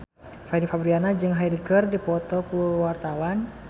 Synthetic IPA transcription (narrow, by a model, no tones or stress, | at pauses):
fadifabɾianad͡ʒɨŋɦajdikərdipɔt̪ɔkuwart̪awan